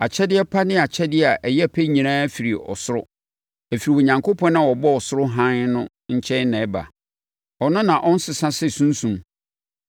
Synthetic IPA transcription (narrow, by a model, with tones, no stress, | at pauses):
a˨t͡ɕʰɛ˦dɪ˦ɛ˦pʰa˦nɪ̃˦a˨t͡ɕʰɛ˦dɪ˦˨a˨ʔɛ˨jɛ˦˨pʰe˦ɲĩ˨nãː˦fi˨ɾi˨ɔ̰˨sʊ˦ɾʊ˦ | æ˨fi˨ɾi˨ɔ˨ɲã˨ŋkʰo˦pʰɔ̃˦nã˦˨wɔ˨bɔ˦ɔ˨sʊ˦ɾʊ˦ɦã˦nnʊ̃˦ | ɲ̩˦t͡ɕʰɛ̃˦nnɛ̃˨˦ba̰˨ | ɔ˨nʊ̃˦nã˨ʔɔ̃˦n̩˦sɪ˨sã˦sɪ˦˨sũ˦n˦sũ˨m